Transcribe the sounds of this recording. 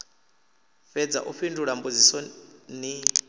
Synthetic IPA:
fɛd͡za̰ʔuɸinduɺambud͡zisɔni

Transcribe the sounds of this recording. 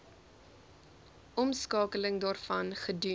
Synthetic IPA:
ʔɔmskɑːkələŋdɑːrfɐnχədy

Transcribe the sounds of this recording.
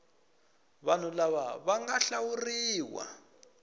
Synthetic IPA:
βan̤ulaβaβaŋɡaɬawuriːwa̰

